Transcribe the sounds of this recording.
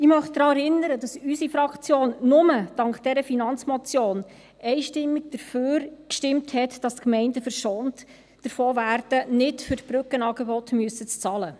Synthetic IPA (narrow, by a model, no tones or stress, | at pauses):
ɪmœχtd̥ɾɑːɛɾɪnːəɾədɑsysifɾɑkt͡sjoːnnʊməd̥ɑŋkt̚d̥ɛɾəfinɑnt͡smɔt͡sjoːn | ʔɛɪʃtɪmːiɡ̚d̥əɾføːɾkʃtɪmthɛtd̥ɑskmɛɪndəfəɾʃɔnt | d̥əɾfoːvæːrd̥ənɪtfʏɾtb̥ɾʉkənɑːɡebɔtmyəsət͡st͡sɑːlə